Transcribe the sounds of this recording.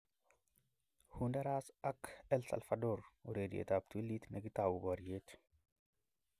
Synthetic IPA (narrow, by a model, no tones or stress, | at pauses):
hundɐɾaːsakɛlsɐ̰lfɐdoːɾuɾeːd̪iḛt̪ab̚t̪uilːit̪nɐɡit̪aːwubɔɾjeːt̪